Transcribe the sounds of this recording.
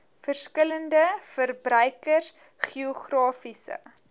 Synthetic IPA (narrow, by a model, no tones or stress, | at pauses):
fərskələndəfərbrœɥkərs | χiɔχrɑːfisə̰